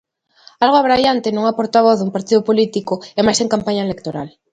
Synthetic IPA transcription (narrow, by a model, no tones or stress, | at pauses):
alɣoaβɾajant̪enõŋapoɾt̪aβ̞oθðumpaɾt̪iðʊpolit̪ikoɛmajseŋkampaɲaɐelek̚t̪oɾal